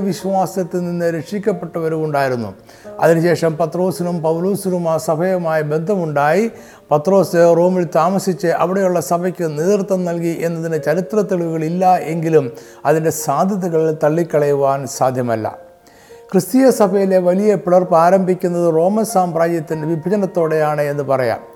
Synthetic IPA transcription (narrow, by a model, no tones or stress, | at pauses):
ʋiɕʋaːsɐt̪ːilninːɨɾekʂikʲːɐpːe̞ʈːɐʋɐɾuʋuɳɖaːjiɾunːṵ | ɐ̰ðinɨɕe̞ːʂɐmpɐt̪ro̞ːsinumpɐwloːsinumasɐbʱɐjɐmaːjɐbe̞nd̪ʱɐmuɳɖaːji | pɐt̪ːro̞ːsɨro̞ːmilt̪aːmɐsit͡ɕːɨʔɐʋiɽejuɭːɐsɐbʱɐkʲːɨneːðrt̪ːɐmnɐlkiʔe̞nːɐðinɨt͡ɕɐɾit̪rɐt̪ːeɭuʋuɣɐɭilːɐe̞ŋɡilum | ɐðinde̞saːd̪ʱjɐðiɣɐɭilt̪ɐɭːikʲːɐɭɐjuʋaːnsaːd̪ʱjɐmɐlːɐ̰ | krɨst̪ijɐsɐbʱɐjile̞ʋɐlijɐpuɭɐrpaːɾɐmbʱikʲːunːɐðɨro̞ːmɐsaːmpraːd͡ʑjɐt̪ːindeʋibʱɐd͡ʑɐnɐt̪ːo̞ːɽe̞jaːɳɨe̞nːɨpɐrɐja̰ːm